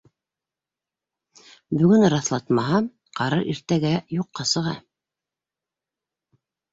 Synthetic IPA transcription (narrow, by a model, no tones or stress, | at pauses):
bɵ̆ɡɵnɾɑθlˠɑt̪mɑɦɑ | qɑɾɤɾʔiɾt̪æɡæjuqːɑsɤ̆ʁɑ